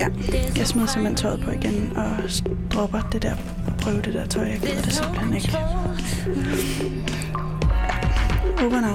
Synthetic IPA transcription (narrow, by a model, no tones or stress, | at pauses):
æjɑ̈ɪsmiðˠsem̩len̰̥t͡sʰɒ̽ɪð̩ˠpʰɒ̽iɡ̥enɒ̽sd̥ʁɒ̽b̥ɐd̥e̝d̥ɛɐ̰ | ɒpʰʁœːʊd̥e̝d̥æɐt͡sʰɒ̽ɪ̰jɑ̈ɡ̥eðˠɐd̥e̝semb̥leneɡ̥l | oʋɐnɑ